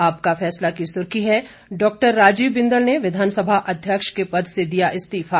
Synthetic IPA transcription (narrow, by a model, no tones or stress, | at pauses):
aːp̚kafɛːslakisʊɾkiɦɛ | ɖɔːk̚ʈəɾːaːd͡ʒiːʋbɪ̃nd̪əlneʋɪd̪ʱaːnsəbʱaʔɐd̪ʱjəkʃkepɐd̪ʱsed̪ijaʔɪst̪iːfa